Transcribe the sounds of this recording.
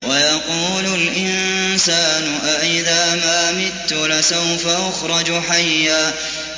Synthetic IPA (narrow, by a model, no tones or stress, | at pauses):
wajɑquːlʊlʔɪnsaːnʊʔaʔɪðaːmaːmɪt̪ːʊlasawfaʔaxɾˤɑd͡ʒħajːaː